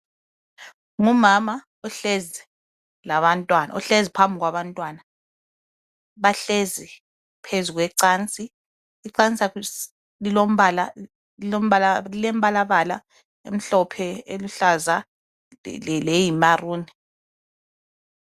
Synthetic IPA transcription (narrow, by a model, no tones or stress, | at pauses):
ŋumama | ɔɬezɛ | laβantʼwana̰ɔɬezipʰambʱiɣwaβantʼwaːna | βaɬezi | pʰezuɣwɛǀaːnt͡sʼiː | ǀant͡sʼa | lilom̩ala | ilom̩alalilɛmbʱalaβala | ḛm̩ɬɔpʰɛeluɬaza | lejimaruːni